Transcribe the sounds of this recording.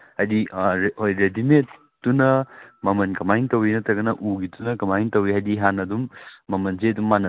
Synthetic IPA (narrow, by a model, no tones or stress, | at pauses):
hajdiɾhojɾedimet | tːunɐmɐmɐnkɐmajŋtɐwinɐtʰɐɡɐnɐʔuɡitʰunɐkɐmajiŋtɐwiɦajdiɦanɐdumːɐmɐnzedumːanɐ